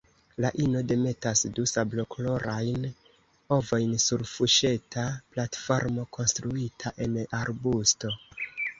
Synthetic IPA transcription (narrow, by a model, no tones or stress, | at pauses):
laʔino̞de̞me̞tasdusablo̞klo̞ɾajn | o̞vo̞jnsuɾfuʃe̞tʰaplatfo̞ɾmo̞kʰo̞nstɾuitʰaʔe̞naɾbusto̞